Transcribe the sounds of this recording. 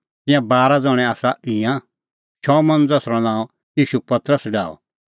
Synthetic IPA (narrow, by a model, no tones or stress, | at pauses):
t̪ɪ̃jãbaːɾad͡zɔɽ̃ɛ̃aːsaʔɪ̃ã | t͡ʃʰɔmɐ̃nd͡zɐsɾɔnãːɔ̃ | jiːʃupɐt̪ɾəsɖa̰ːɔ̰